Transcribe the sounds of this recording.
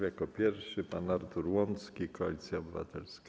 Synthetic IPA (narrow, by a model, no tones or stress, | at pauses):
jakɔpʲjɛɾfʂɘpanaɾt̪uɾwɔnt̪skʲikɔa̰lʲit̪sʲjaɔbɘva̰t̪ɛlsk